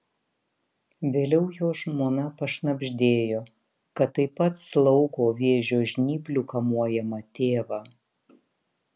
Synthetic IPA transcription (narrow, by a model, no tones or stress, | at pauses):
ʋʲeːlʲɛʊjoːʒmoːnɐpɐʃnɐbʲʒʲd̪ʲeːjoː | kɐt̪ːɐɪpɐt̪slˠɒʊɡoːʋʲeːʒʲoːʒʲnʲiːpʲlʲʊkɐmuɔjɛmɐt̪ʲeːʋɑː